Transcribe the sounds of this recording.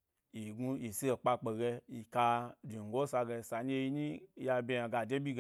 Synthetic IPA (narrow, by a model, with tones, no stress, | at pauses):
ji˨ɡu˧i˨si˦e˨k͡pa˧k͡pe˨ɡe˧i˨ka˧di˨ŋ˨ɡo˦sa˧ɡe˧˨sa˧ɲ˦e˦˧ji˧ɲi˦˧ja˧bʲe˧a˧ɡa˨de˦bʲi˦ɡ